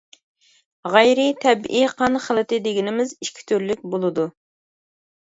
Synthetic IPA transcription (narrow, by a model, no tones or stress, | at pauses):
ʁæjɾɪt̪ʰɛbʔiqʰɑnχəlˠɨt̪ɪd̪ɪɡʲinɪmɪziʃkʲʰi̥t̪ʰyɾlyk̚ʲbolˠɨd̪u